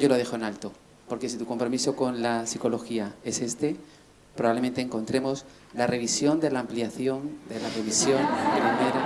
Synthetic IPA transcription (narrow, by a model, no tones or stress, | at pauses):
ɟ͡ʝo̞loðexoe̞nalt̪o̞ | po̞ɾke̞s̬it̪uko̞mpɾo̞miso̞ko̞nlasiko̞lo̞xiae̞se̞st̪e̞ | pɾo̞βaβle̞ment̪eːŋko̞nt̪ɾe̞mo̞s | lare̞β̞isjo̞nd̪e̞laːmpliaθjo̞nd̪e̞lareβisjo̞nd̪emaneɾa